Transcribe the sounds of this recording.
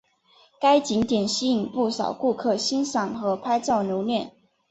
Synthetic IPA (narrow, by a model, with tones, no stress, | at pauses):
ka˥ɪt͡ɕi˧˥ŋt̪jɛ˨˩nɕi˥i˨˩ŋpu˥˩sɑ̰˨˩ʊku˥˧kʰɤ˥˩ɕi˥nsɑ˨˩ŋxɤ˧˥pʰa˥ɪt͡sɑ˥˩ʊnjo˧˥ʊljɛ˥˩n